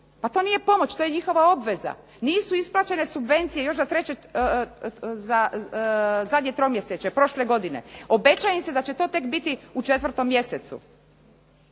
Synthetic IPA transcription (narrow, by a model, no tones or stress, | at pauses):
pat̪o̞ːnije̞po̞mo̞t͡ɕt̪o̞jeɲixo̞ʋao̞bʋe̞za̰ | niːsuisplˠat͡ɕe̞ne̞subʋe̞nt̪sije̞jo̞ʃzat̪ɾet͡ɕe | za | zad̪ɲe̞t̪ɾomjeset͡ɕepɾo̞ʃleɡo̞d̪ine̞̰o̞be̞t͡ɕajemse̞d̪at͡ɕet̪o̞ːt̪e̞kbit̪iut͡ʃet̪ʋɾt̪o̞mːje̞set̪sṵ